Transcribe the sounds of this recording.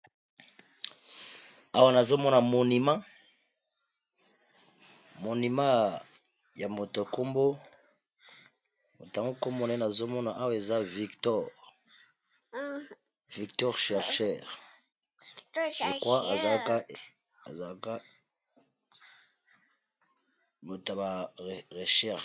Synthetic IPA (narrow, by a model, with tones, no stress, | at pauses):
a˦wa˦na˨zo˦mɔ˦na˨mo˨ni˨ma˦ | mo˨ni˨ma˦ | ja˨mo˨to˨ko˦mbo˦ | mo˨ta˨ŋɡo˦ko˦mbo˦na˨˦e˦na˨zo˦mɔ˦na˨ʔa˦wa˦˨e˨za˦vi˨ktɔ˦˨ʁ | vi˨ktɔ˦ʁʃɛ˨ʁʃɛ˨ʁ | o˨kwa˦a˨za˨˦ka˦˨ | a̰˨za˨˦ka˦ | mo˨ta˨ba˨ʁe˨ʃɛ˦˨